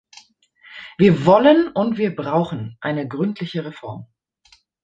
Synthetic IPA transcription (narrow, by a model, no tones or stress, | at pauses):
v̥iːɐvɔlənʊntv̥iːɐbʁaʊxn̩ʔa̰ɪnəɡʁʏntʰlɪçəʁefɔɐm